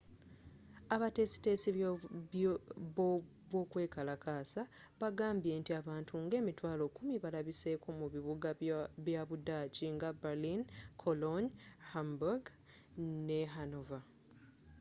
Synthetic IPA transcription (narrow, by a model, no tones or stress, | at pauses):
aβate̞ːsi̥te̞ːsi | β | βwo̞ːkwe̞ːkalakaːsaβaɡaːmbientiaβaːntʰuŋɡe̞ːmitwaːlo̞kumiβalaβise̞ko̞muβiβuɡaβjaβudaːciŋɡabalinkʰoloɲhambuɡ | neɦano̞va